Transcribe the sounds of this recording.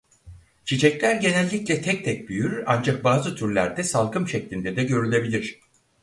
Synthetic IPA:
t͡ʃʰit͡ʃʰɛclʲæɾɟe̞nɛlʲːiclʲɛt̪ʰɛc̚t̪ʰɛc̚byjyɾa̰nd͡ʒak̚baːzɯt̪ʰyɾlʲæ̰ɾd̪ɛsalˠkʰɯmʃɛclʲind̪ɛd̪ɛɟø̞ɾylʲe̞bilʲiɾ̝̥

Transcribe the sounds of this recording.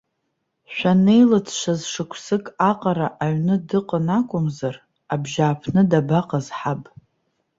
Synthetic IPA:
ʃʷᶣane̞jlɨt͡sʰʃʷazʂɨkʷʰsɨkʼaqʼaɾaʔaɥnɨdɨqʼənakʷʼʊmzar | abʒaːpʰnɨdabaqʼazħapʼ

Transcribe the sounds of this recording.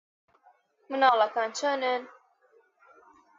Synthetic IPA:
mɨnɑːlakant͡ʃʰənən

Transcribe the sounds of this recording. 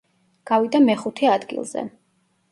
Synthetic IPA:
ɡ̥avid̪amɛχut̪ʰɛad̪ɡḭlˠzɛ̰

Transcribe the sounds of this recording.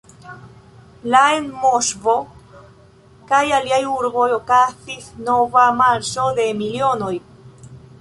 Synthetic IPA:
laenmoʃvo̞ | kajaliajuɾbo̞jo̞kasisno̞vamaɾso̞de̞milio̞noj

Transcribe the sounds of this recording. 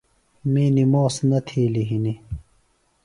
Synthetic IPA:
miːnimoːsnɐt̪ʰiːliɦini

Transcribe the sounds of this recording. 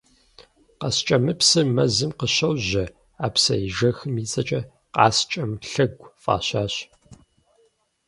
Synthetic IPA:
qɐst͡ʃʼɐmɨpsɨmɐzɨmqəɕɐwʑɐ | aːpsɐ̰iʒɐxɨmiːt͡sʼɐt͡ʃʼɐ | qɑːst͡ʃʼɐmɬɐɡʷfʼa̰ːɕaːɕ

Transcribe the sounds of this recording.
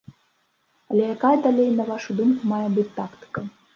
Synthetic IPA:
ɐlʲɛjakajɐd̪alʲejnɐvaʂud̪umkumajɛbɨt͡sʲt̪akt̪ɨ̥kɐ

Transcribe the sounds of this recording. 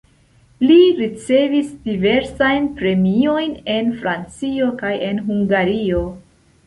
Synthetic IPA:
liɾit͡se̞visd̥ive̞ɾsajnpɾe̞mio̞jne̞nfɾant͡sio̞kaje̞nɦuŋɡaɾio̞

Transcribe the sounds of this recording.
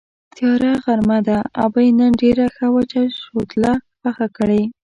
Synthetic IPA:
t̪jɑɾaɣaɾmad̪aa̰bajnənɖeɾaxawat͡ʃaʃot̪laxaxakəɽe

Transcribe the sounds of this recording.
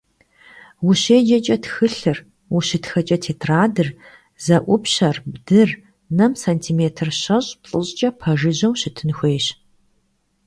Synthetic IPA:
wuɕeːd͡ʒɐt͡ʃʼɐtxɨɬɨr | wuɕɪtxɐt͡ʃʼɐtʰeːtʰraːdɨr | zɐʔʷʊpɕɐrbdɨr | nɐmsantʰiːmeːtʰɨrɕɐɕʼpt͡sʼɨɕʼt͡ʃʼɐpʰɐʒɨʑɐwɕɪtʰɨnxʷeːɕ

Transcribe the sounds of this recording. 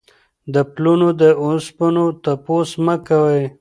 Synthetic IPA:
d̪əplunod̪əʊspənot̪aposməkawəj

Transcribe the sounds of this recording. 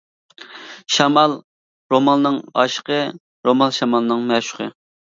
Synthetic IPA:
ʃɑmɑlˠ | ɾomɑlˠɨnɨŋɑ̰ʃə̥qʰə | ɾomɑlˠʃɑmɑlˠɨnɨŋmɛʃʊ̥qə̰

